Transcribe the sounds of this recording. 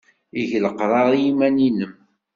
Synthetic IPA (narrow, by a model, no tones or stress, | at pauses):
iʝləqɾˤɑðˤjimæninəm